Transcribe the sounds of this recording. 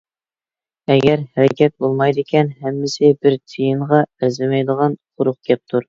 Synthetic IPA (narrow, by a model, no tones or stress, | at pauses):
ɛɡʲɛɾhæɾɛkʲʰɛt̪̚bolˠmɑjd̪ɪkʲʰɛnhɛmːɪsɪbɪɾt̪ʰijɨɴʁɑæɾzɪmɛjd̪əʁɑnqʰʊɾʊq̚kʲɛp̚t̪ʰuɾ